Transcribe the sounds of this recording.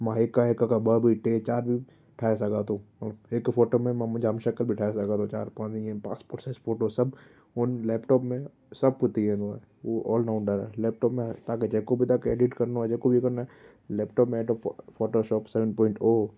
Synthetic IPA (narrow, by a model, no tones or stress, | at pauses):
mãekːaekːakabəbʱiʈet͡ʃaːɾbʱi | ʈʰaːes̬ɐɡat̪õːmɐləbeːkfoːʈomẽmãmʊd͡ʒʱɦɐmʃɐkəlbʱiʈʰaːesɐɡat̪õt͡ʃaːɾpãːĩɛ̃pã̰ːspoʈsesfʰoːʈosɐb | ʊnlɛːpʈɔːpmẽ | sɐb̚kʊt̪iɦɛ̃d̪oɛ | oɔ̰ːlnaʊ̃nɖəɾɛ̰lɛːp̚ʈɔːpmẽt̪aːked͡ʒɛɦkobʱit̪aːkeːɖɪʈkɐɾnaɛd͡ʒɛkobʱikɐɾnaɛ | lɛːp̚ʈɔːpmẽɛːʈɔfɔːʈoʃɔːpsɛʋə̃ɳpɔːɪ̃ɳʈoː